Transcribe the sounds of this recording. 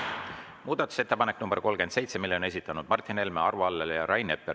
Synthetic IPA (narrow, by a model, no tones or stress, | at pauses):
muːd̪̥ɑt̪ːu̥se̞t̪ːepɑne̞kːnumb̥ḛko̞lɡ̥e̞nd̪̥se̞jt̪se̞milːeone̞sit̪ːˑɑnud̪̥mɑrt̪ʲːˑine̞lmeɑrvuɑlːelejɑɾɑjne̞pːˑer